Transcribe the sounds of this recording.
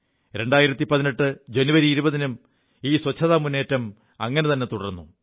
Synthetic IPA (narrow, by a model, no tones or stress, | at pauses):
ɾe̞ɳɖaːjiɾɐt̪ːipɐðineʈːɨd͡ʑenuʋɐɾiːɾubɐðinɐm | iːswɐt͡ɕʰːɐðaːmunːe̞ːtːɐm | ɐŋːɐnet̪ɐnːe̞t̪uɽɐrnːu